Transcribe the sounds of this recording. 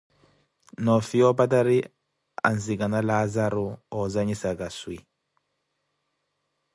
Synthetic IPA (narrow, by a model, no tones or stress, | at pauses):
nɔfiɔpataɾi | a̰nzikanalazaɾuɔzaɲisakaswi